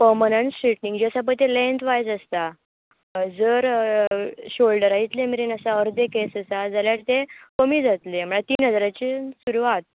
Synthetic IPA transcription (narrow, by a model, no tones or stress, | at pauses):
pəɾmənəɳʈsiʈniŋɡd͡ʑiəsap̬ət̪elẽnt̪ʋajd͡zəst̪a | d͡zəɾ | ɕolɖəɾaɦit̪lemiɾinəsaəɾd̪ekesəsad͡zaljaʈt̪ekəmiːd͡zat̪lem̤əɭat̪iːnɦəd͡zɾat͡ɕiːsuɾuʋat̪̚